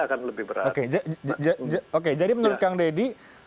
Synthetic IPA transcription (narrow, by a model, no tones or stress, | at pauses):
akanləbɪhbəɾa̰otked͡ʒad͡ʒok̬ed͡ʒadimənuɾʊt̪̚kaŋdedi